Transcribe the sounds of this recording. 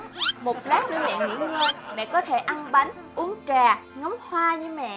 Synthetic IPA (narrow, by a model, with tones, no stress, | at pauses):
mo˨˩t̚laː˦˥k̚ɗɨ˧nɛ̰˧˨nhḭ˧˩˦wɲə˧jmɛ̰˧˨kɔ˨˦t̪ʰe˧˩ʔa˧nɓa˨˦jŋ | ʔu˨˦əŋt͡ɕaː˨˩ŋɔ˨˦mhwaː˧ɲɨ˧mɛ̰˧˨